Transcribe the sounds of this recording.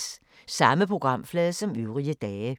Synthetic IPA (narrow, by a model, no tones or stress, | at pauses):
sɑ̈məpʰʁo̝ɡ̥ʁɑ̈m̰flɛːðˠsɒ̽myʊʁiəd̥ɛːə